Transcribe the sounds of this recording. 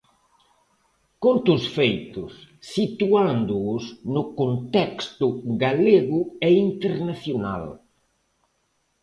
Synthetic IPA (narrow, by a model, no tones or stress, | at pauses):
kont̪ʊsfejt̪ʊsːit̪uand̪ʊʊsnʊkont̪ɛkst̪ʊɡaleɣʊɛint̪eɾnaθjona̰l